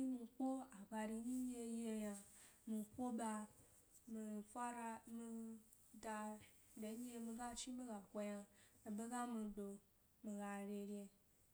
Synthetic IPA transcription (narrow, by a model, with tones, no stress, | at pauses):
i˦mi˧kʷo˦a˨ba˧ɾi˧ɲi˦ɲe˧je˧ja˧mi˧kʷo˦ba˧ | mi˨fʷa˦ɾa˧mi˧ | da˧ | de˨˦ɲe˦mi˧ɡa˦t͡ʃi˦be˦ɡa˨kʷo˧ja˧e˨be˦ɡa˦mĩ˧do˧ | mĩ˨ɡa˧ɾʲe˧ɾʲe˧